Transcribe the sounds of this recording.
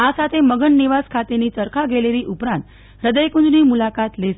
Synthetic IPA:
asat̪ʰeməɡəɳːiʋaskʰat̪eniːt͡səɾkʰaɡeleɾiːʔupɾãnt̪ | ɾəd̪əjkũd͡ʒniːmulakat̪le

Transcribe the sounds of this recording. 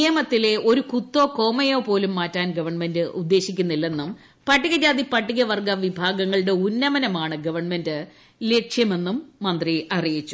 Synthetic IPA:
ijɐmɐt̪ːile̞o̞ɾukut̪ːo̞ːko̞ːmɐjoːpo̞ːlumːaːtːaːnɡɐʋɐrɳme̞ndɨʔud̪ːe̞ːɕikʲːunːilːe̞nːum | pɐʈːiɣɐd͡ʑaːd̪ipɐʈːiɣɐʋɐrɡɐʋibʱaːɡɐŋːɐɭɽe̞unːɐmɐnɐmaːɳɨɡɐʋɐrɳme̞ndɨ | le̞kʂjɐme̞nːumːɐnd̪riɐrijit͡ɕːu̥

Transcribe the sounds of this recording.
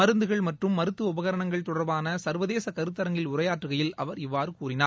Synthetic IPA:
mɐɾɯnd̪ɯɣɐɭmɐʈrɯmːɐɾɯt̪ːɯʊbɐɣɐɾɐɳɐŋɡɐɭt̪ɔɽɐɾbaːnɐsɐɾʋɐðeːsɐkɐɾɯt̪ːɐɾɐŋɡɪlʊɾɐjaːʈrɯɣɐjɪlɐʋɐɾɪʋːaːɾɯkuːrɪnaː

